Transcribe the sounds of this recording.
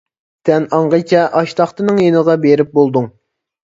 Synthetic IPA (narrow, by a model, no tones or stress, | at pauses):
t̪ʰɛnɑɴʁət͡ʃʲʰɛʔɑʃt̪ʰɑχt̪ɨnɨŋjenəʁɑbeɾɪp̚bolˠd̪uŋ